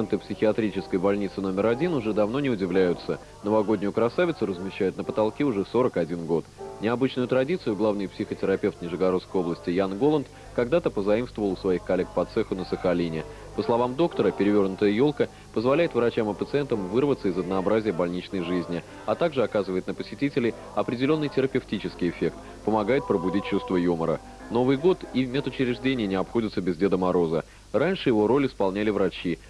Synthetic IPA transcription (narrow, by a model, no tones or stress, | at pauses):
nt̪ɨpsʲɪxʲɪɐt̪ɾʲit͡ɕɪskəjbɐlʲnʲit̪sɨno̞mʲɪɾɐdʲinʊʐɛd̪ɐvno̞nʲɪʊdʲɪvlʲæjʊt̪sə | nəvɐɡo̞dʲnʲʊjʊkɾɐsavʲɪt̪sʊɾəzmʲɪɕːæjʊt̪nəpət̪ɐlˠkʲiʊʐɛso̞ɾəkɐdʲinɡo̞t̪nʲɪɐbɨt͡ɕnʊjʊt̪ɾɐdʲit̪sɨjʊɡlˠavnɨjpsʲɪxətʲɪɾɐpʲe̞ft̪nʲɪʐɨɡɐɾo̞t̪skəjo̞blˠəsʲtʲɪjanɡo̞lˠənt̪ | kɐɡd̪at̪əpəzɐimst̪vəvəlˠʊsvɐixkɐlʲe̞k̚pɐt̪sɛxʊnəsəxɐlʲinʲɪ | pəslˠɐvamd̪o̞kt̪əɾəpʲɪɾʲɪvʲo̞rnʊt̪əjəjo̞lˠkə | pəzvɐlʲæjɪt̪vɾɐt͡ɕamɨpət̪sɨɛnt̪əmvɨrvət̪səɪzəd̪nɐːbɾazʲɪjəbɐlʲnʲit͡ɕnəjʐɨzʲnʲɪ | ɐt̪aɡʐɨɐkazɨvəjɪt̪̚nəpəsʲɪtʲitʲɪlʲɪ | ɐpɾʲɪdʲɪlʲo̞nːɨjtʲɪɾəpʲɪftʲit͡ɕɪskʲɪjɪfʲe̞k̚t̪ | pəmɐɡajɪt̪̚pɾəbʊdʲit̚ʲt͡ɕːust̪vəjuməɾə̰ | no̞vɨjɡo̞t̪ivmʲet̪ʊt͡ɕɪɾʲɪʐdʲenʲɪjənʲɪɐpxo̞dʲɪt̪səbʲɪzʲdʲe̞d̪əmaɾo̞zə | ranʲʂɨjɪvo̞ɾo̞lʲɪspɐlˠnʲælʲɪvɾɐt͡ɕi